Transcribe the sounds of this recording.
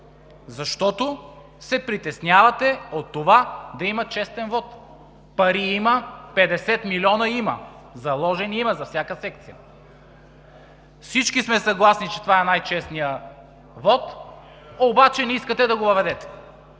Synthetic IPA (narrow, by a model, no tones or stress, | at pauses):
zɐʃt̪ɔt̪o | sɛpɾit̪ɛsnʲjavɐt̪ɛot̪ːovad̪ɐimɐt͡ʃɛst̪ɛnvɔt̪ | pɐɾiimɐpɛd̪ɛsɛt̪milʲiɔnɐimɐ̰ | zɐlˠɔʒɛniimɐzɐfsʲjakəsɛk̚t̪sijə̰ | fsit͡ʃkismɛsɐɡlˠasnit͡ʃɛt̪ovaɛnajt͡ʃɛsnijə | vɔt̪ | obat͡ʃɛnɛiskɐt̪ɛd̪ɐɡovɐvɛd̪ɛt̪ɛ̥